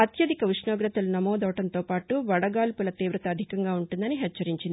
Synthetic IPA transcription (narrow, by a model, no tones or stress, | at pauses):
ɐt̪jɐd̪ʱikɐʋiʂɳoːɡɾɐt̪ɐlunɐmɔːd̪ɐʋɐʈɐnt̪o̞ːpaːʈuʋɐɽɐɡaːlpulɐt̪iːʋɾɐt̪ɐːd̪ʱikɐŋɡaːuɳʈund̪ɐniɦɛt͡ʃːɐɾiɲt͡ʃind̪ii